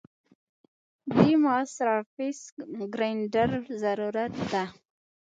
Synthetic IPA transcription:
d̪imaasɾafisɡɾanɖəɾzaɾuɾat̪̚d̪a

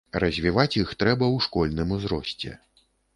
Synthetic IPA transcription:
rɐzʲvʲivat͡sʲjixt̪ɾɛbɐwʂkɔlʲnɨmuzɾɔsʲt͡sʲɛ̰

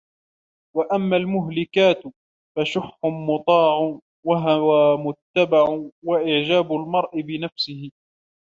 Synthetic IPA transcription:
waʔamːaːlmʊɦlɪkaːt̪ | faʃʊħːʊmʊt̪ˤɑːʕʊ | waɦawaːmʊt̪ːabaʕʊwaʔɪʕd͡ʒaːbʊlmɑɾˤʔɪbɪnafsɪhɪ

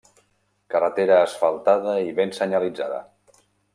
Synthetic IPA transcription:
kərət̪eɾəːsfəlˠt̪aðəiβensəɲalid͡zaðə̰

